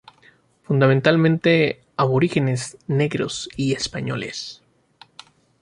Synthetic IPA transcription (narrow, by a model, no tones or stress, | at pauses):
fund̪amẽnt̪almẽnt̪e̞ | aβo̞ɾixe̞ne̞zne̞ɣɾo̰siespaɲo̞̰le̞̰s